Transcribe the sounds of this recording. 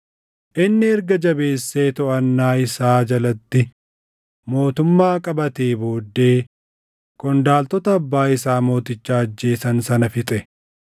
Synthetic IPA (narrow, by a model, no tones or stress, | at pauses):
ʔɪnːɪɛɾɡɐd͡ʒɐbe̞ːsːeːt̪ɔʔɐnːaːɪsaːd͡ʒɐlɐt̪ːɪ | mo̞ːt̪ʊmːaːkʼɐbɐt̪eːbo̞ːd̪ːe̞ː | kɔnd̪aːlt̪ɔt̪ɐɐbːaːɪsaːmo̞ːt̪ɪt͡ʃːaːɐd͡ʒːe̞ːsɐnsɐnɐfɪt̪ʼɛ